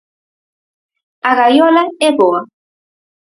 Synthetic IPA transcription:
aɣajolaɛβoa

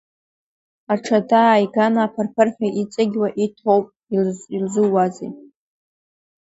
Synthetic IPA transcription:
aʈ͡ʂʰadajɡanaːpʰarpʰɨrħʲᶣaʔit͡sʼaɡʲwaʔitʰowpʼ | ilzilzɨwazḭ

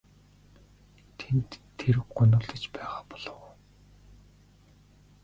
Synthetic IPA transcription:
t̪ʰent̪ʰːeɾɘ̆kɢʊnʊ̆ɮt̪ə̆t͡ɕpæːʁaːpɔ̥ɮɞ̆w

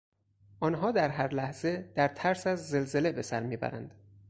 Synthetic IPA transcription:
ʔɒːnɦɒːd̪æɾɦæɾlæhz̥e̞d̪̥æɾt̪ʰæɾsæzːe̞lze̞le̞be̞sæɾmiːbæ̰ɾæ̰nd̪̥

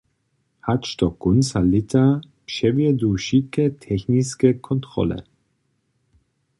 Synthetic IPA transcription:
hatʃtɔkʊnsalɪt̪ʰa | pʃɛvjɛduʃikətʰɛxniskəkʰɔntʁ̥ɔ̰lə̰

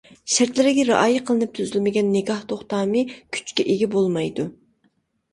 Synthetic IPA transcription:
ʃæɾt̪lɪɾɪɡʲɛɾɑ̰ʔɑːjiqʰəlˠɨnɨp̚t̪ʰyzylmɪɡʲɛnːɪɡʲɑht̪ʰoχt̪ɑːmɨkʲʰy̥t͡ʃkʲɛʔeɡʲɛbolˠmɑjd̪u

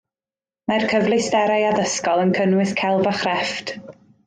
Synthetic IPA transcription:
majrkʰəvlˠɨsdɛɾajaðəskɔlˠənkʰənwɨθkʰɛlˠvaχrɛft

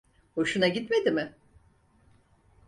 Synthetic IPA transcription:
ho̞ʃunaɟit̪me̞d̪imɪ

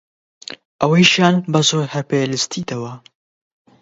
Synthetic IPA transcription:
ʔɐwɐjʃjaːnbɐzoːɾhɐpelɨst̪ʰiːt̪ɐwɐ

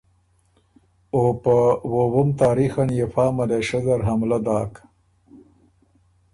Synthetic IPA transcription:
opəwowomt̪aːɾixanjefɑːmaleʃazɐɾɦamlad̪ɑːk

